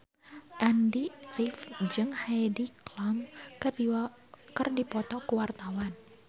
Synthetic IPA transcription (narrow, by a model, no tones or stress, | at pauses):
ʔandirifd͡ʒɨŋhajdiklam | kɨrdipɔt̪ɔkuwart̪awan